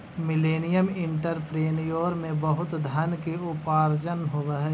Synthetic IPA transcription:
mɪleːnɪjəmɪ̃ɳʈəɾpɾeːnijoːɾmẽbəɦʊt̪d̪ʱənkeʊpaːɾd͡ʒənɦʊʋəɦɛː

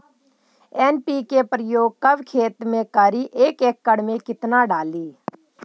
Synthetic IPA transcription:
ɛːnpiːkepɾəjoːɡ̚kəʋkʰeːt̪mẽːkəɾiːʔeːkeːkːəɽmẽkɪt̪naːɖaːliː

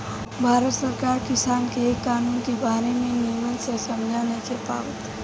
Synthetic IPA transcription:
bʱaːɾət̪səɾkaːɾkɪsaːnkekːaːnuːnkebaːɾemẽnimənsesɐmd͡ʒʱanɐĩkʰepa̰ːʋət̪

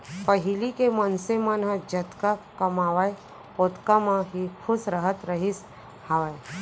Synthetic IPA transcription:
pəɦɪlikemənsemanɦəd͡ʒət̪kakəmaːʋaj | ot̪kamãɦikʰʊsɾəɦət̪ɾəɦis | haʋaj

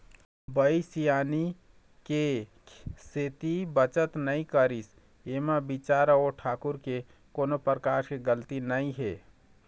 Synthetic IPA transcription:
bəisijaːni | ke | set̪ibət͡ʃət̪nəĩkəɾis | emabit͡ʃaɾoʈʰaːkuɾke | koːnopɾəkaɾkeɡəlt̪inəĩɦe

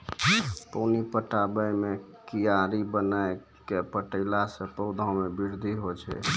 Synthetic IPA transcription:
pənipəʈabəjme | kijaɾibənae | kepəʈəɪlasə̃pəwd̪ʱãmebiɾd̪ʱiɦot͡ʃʰɛ̰

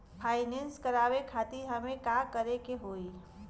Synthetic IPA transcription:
pʰaːɪnẽnskəɾaːʋekʰaːt̪iɦəmẽkakəɾekeɦoːi

